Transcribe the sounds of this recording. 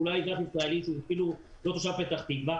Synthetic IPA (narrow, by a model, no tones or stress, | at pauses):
ulajdatisʁaeliʃuzfilulo̞t̪oʃavpet̪aχt̪iɡva